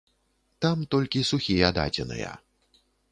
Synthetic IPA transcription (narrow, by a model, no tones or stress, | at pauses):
t̪amt̪ɔlʲkʲisuxʲijɐd̪a̰d͡zʲɛ̰nɨ̰jɐ̰